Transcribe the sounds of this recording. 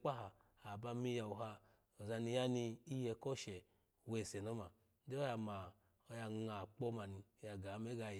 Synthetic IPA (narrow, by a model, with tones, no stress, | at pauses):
k͡pa˦ɦa˨ | a˨ba˧mi˧ja˧u˨ɦa˧ | o˨za˧ni˧ja˦ni˧i˦je˧ko˦ʃe˨ | we˨se˨no˦ma˨˦ | de˦o˦ja˧ma˨ | o˧ja˧ŋa˨k͡po˦ma˨ni˧˨ja˨˧ɡa˨˦me˦ɡa˧j